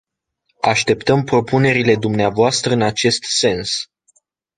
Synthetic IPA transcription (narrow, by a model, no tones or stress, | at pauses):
aʃt̪e̞pt̪əmpɾo̞pune̞ɾile̞d̪umneavoast̪ɾəɨnat͡ʃe̞st̪se̞ns